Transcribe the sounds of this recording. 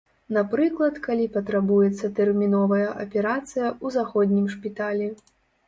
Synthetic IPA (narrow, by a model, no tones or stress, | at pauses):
napɾɨklˠɐt̪kalʲipɐt̪ɾabujɛt̪sːɐt̪ɛrmʲinɔvɐjɐʔɐpʲɛɾat̪sɨjɐuzaxɔd̪ʲnʲimʂpʲit̪alʲi